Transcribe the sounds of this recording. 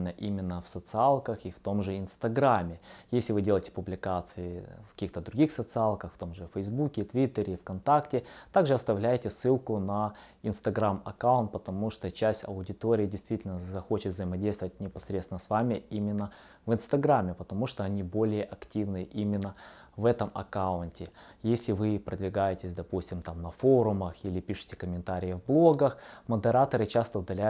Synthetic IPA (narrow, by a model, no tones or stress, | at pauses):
nːəʔimʲɪnːəfsət̪sɨalˠkəxift̪o̞mʐɨɪnst̪ɐɡɾamʲːɪjesʲlʲɪvɨdʲe̞lˠəjɪtʲɪ̥pʊblʲɪkat̪sɨɪfkɐ̥kʲixt̪əd̪ɾʊɡʲixsət̪sɨalˠkəxft̪o̞mʐɨfəjzbukʲɪt̪vʲit̪ːəɾʲɪfkɐnt̪aktʲɪt̪aɡʐɨɐst̪ɐvlʲæjɪtʲɪsːɨlˠkʊnɐ | ɪnst̪ɐɡɾamɐ̰kaʊnt̪̚pət̪ɐmuʂt̪ot͡ɕæsʲtʲɐ̰ʊdʲɪt̪oɾʲɪːdʲɪjst̪vʲitʲɪlʲnəzɐxo̞t͡ɕɪt̪vzəjɪmɐdʲejst̪əvət̚ʲnʲɪpɐsɾʲet̪sɪnəsvamʲɪimʲɪnːə | vɨnst̪ɐɡɾamʲːɪpət̪ɐmuʂt̪oɐnʲibo̞lʲɪjəʔɐktʲivnɨjəʔimʲɪnːəvɛt̪əmɐ̰kaʊntʲɪjesʲlʲɪvɨpɾəd̪vʲɪɡajɪtʲɪsʲd̪ɐpusʲtʲɪmt̪amnɐfo̞ɾʊməxilʲɪpʲiʂɨ̥tʲɪ̥kəmʲɪnt̪aɾʲɪjəvblˠo̞ɡəxməd̪ɨɾat̪əɾɨt͡ɕast̪əʊd̪ɐlʲæ